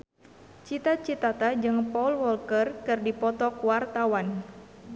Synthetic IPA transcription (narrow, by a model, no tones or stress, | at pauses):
t͡ʃit̪at͡ʃit̪at̪ad͡ʒɨŋpɔulwɔlkərkɨrdipɔt̪ɔkuwart̪awan